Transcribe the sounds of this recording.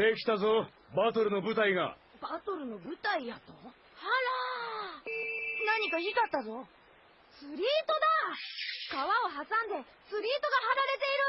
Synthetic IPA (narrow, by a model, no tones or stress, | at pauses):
ekʲi̥t̪azo | bat̪o̞ɾɯ̟nobɯ̟t̪aiɡa̰ | bat̪o̞ɾɯ̟no̞bɯ̟t̪aijat̪o | haɾa | naɲ̟ikaikat̪ːazo̞ | sɨɾʲiːt̪o̞d̪a | kaβao̞ɦasãnd̪e̞ | sɨɾʲiːt̪o̞ɡaɦaɾaɾe̞t̪e̞iɾɯ̟